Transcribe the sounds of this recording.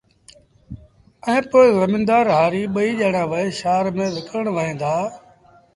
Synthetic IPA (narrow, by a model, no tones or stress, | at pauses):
ɛ̃ːpoːɪzəmɪ̃nd̪aːɾɦaːɾiːɓəiːʄeːɽ̃ãːʋəeʃaːɾmẽːʋɪkɾəɳʋəɦẽːd̪aː